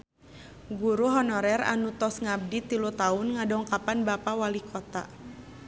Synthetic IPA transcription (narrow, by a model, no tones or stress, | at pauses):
ɡuɾuɦɔnɔɾɛɾa̰nut̪ɔsŋab̚dit̪ilut̪aʊnŋadɔŋkapanbapawalikʰɔt̪a̰